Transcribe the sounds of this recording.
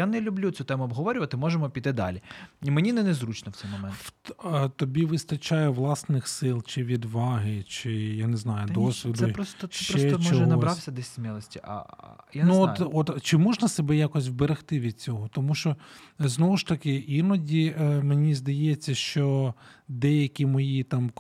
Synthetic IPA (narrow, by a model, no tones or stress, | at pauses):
janɛlʲʊblʲut͡sʲut̪ɛmʊɐbɦɔʋɔɾʲʊʋɐt̪ɪmɔʒemɔpʲit̪ːɪd̪ɑ̰lʲiimenʲinɛnɛzɾut͡ʃnɔw̥t̪ɛjmɔmɛnt̪ɔbʲiʋɪst̪ɐt͡ʃɑjɛʋlˠɑsnɪxsɪlˠt͡ʃɪʋʲid̪ʋɑɦɪt͡ʃɪjaneznɑjʊdd̪ɔsʲʋʲid̪ʊɾɔst̪ʃɛt͡ʃɾɔɛɔt͡ʃɔɔɛnɐɔɾɑwsʲɐd̪ɛsʲsʲmʲilˠɔsʲtʲiʔɐ̰januɔtɔt̪t͡ʃɪmɔʒnɐsebɛjakɔsʲwbeɾɪxt̪ɪʋʲid̪̥̚t͡sʲɔɦɔt̪ɔmuʃt͡ʃɔznɔʋʊʃt̪ɐkɪinɔdʲimenʲizd̪ɐjɛt͡sʲːɐʃt͡ʃɔ | d̪ɛjɐkʲimɔjit̪ɑm